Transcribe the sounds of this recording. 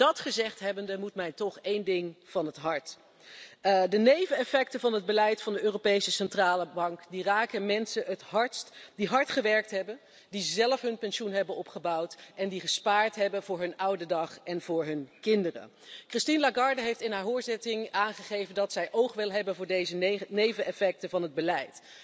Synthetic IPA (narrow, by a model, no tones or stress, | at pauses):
dɑtχəzɛχtɦɛbəndəmutmɛjtɔχejndɪŋv̥ɑnɦətɦɑɹt | dənejvənɛfɛktəvɑnɦəd̚bəlɛjtfɑndəøːrowpejsəsɛntraːləbɑŋkdiraːkənmɛnsənətɦɑɹtstdiɦɑɹtχəʋɛɹk̚tɦɛbən | dizɛləfɦɵnpɛnʃunɦɛbənɔpχəbɑwtʔɛndiχəspaːɹtɦɛbənvʊːɹɦɵnʌwdədɑχɛnv̥ʊːɹɦɵnkɪndərə̰ | krɪstinlaɡɑɹdəɦejftɪnɦaːɹɦʊːɹzɪtɪŋʔaːnχəχejvəndɑtsɛjʔowχʋɪlˠɦɛbənvʊːɹdejzənejvənʔɛfɛk̚təvɑnɦəd̚bəlɛjt